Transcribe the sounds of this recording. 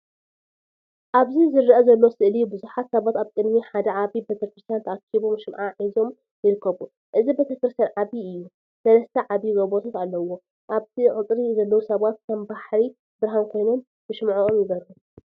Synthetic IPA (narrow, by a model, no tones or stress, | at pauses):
ʔaβzizɨɾːɐʔɐzɐlːo̞sɨʔlibɨzuħat̪sɐβat̪aβkʼɨd̪miħad̪ɐʕaβibet̪ʰɐkɾɨst̪ʰjant̪ʰɐakʰːiβomʃɨmʕaʕizo̞m | jɪɾɨkʰːɐβu | ʔɨzibe̞t̪ʰɐkɨɾɨst̪janʕaβiɨjːu | sɐlɐst̪ʰɐʕaβiɡobot̪ʰat̪alːɐwo̞ | ʔaβt̪ʰiʕɨt͡sʼɾizɐlːɐwusɐβat̪̚kʰɐmbaħɾi | bɨɾɦankʰo̞jnon | b̥ɨʃmʕoomjɪβɐɾu